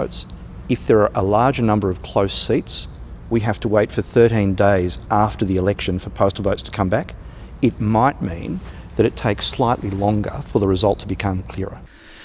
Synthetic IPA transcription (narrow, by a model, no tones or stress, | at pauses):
ʊts | ɨfðə˞ːʔəlɑɹd͡ʒənʌ̃mbə˞ʌv̥kʰl̥oʊsitswiɦæftʰəweɪtfə˞θɜ˞ɾĩndeɪzæftə˞ðiɨlɛkʃɨ̃nfə˞pʰoʊstl̩ˠvəʊtstʰə̥kʰʌ̃mbæk | ɨt̚maɪt̚mḭ̃nðɨɾɨtʰeɪkslaɪʔˡlilɔ̃ŋɡə̰˞fə˞ðəɹɨzʌlˠtʰəbɨkʰʌ̃mkʰl̥ɪɹə̰